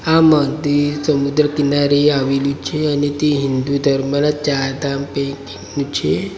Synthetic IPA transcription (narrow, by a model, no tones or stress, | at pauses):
aməɡd̪isəmud̪ɾəkinaɾeaʋilut͡ʃʰeanit̪iɦind̪ud̪ʱəɾmənat̪̚t͡ɕaɾd̪ampekinut͡ɕʰe